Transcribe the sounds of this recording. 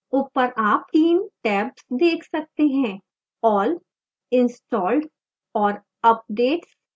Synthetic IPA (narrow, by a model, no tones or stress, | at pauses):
ʊpəɾʔaːp̚t̪iːnʈɛːpsd̪eːkʰsɐk̚t̪eɦɛ̃ | ɔːl | ɪ̃nsʈɔːlɖ | ɔːɾ | ɐp̚ɖeːʈs